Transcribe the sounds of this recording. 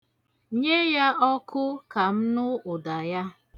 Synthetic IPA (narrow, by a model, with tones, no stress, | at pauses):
ɲe˦ja˦ɔ˦kʰʊ˦ka˨m̩˦nʊ˦ʊ˨da˨ja˦